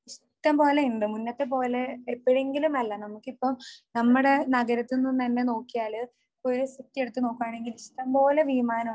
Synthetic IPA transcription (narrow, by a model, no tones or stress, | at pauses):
iʂ | ʈːɐmpo̞ːle̞uɳɖɨmunːɐt̪ːe̞p̬o̞ːleːpːɐɻeŋɡilumɐlːɐnɐmukːipːɐmnɐmːuɽe̞nɐɡɐɾɐt̪ːinːumt̪ɐnːe̞no̞ːkːijaːlɨ | o̞ɾusitːje̞ɽut̪ːɨno̞ːkːuaːɳe̞ŋɡiliʂʈɐmpo̞ːle̞ʋimaːnɐm